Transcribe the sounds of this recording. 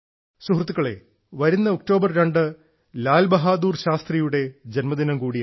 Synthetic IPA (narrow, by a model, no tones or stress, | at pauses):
suɦrt̪ːukːɐɭe̞̰ | ʋɐɾunːɐok̚ʈo̞ːbɐrɾeɳɖɨ | laːlbɐɦaːd̪uːrɕaːst̪rijuɽe̞d͡ʑenmɐd̪inɐmkuːɽi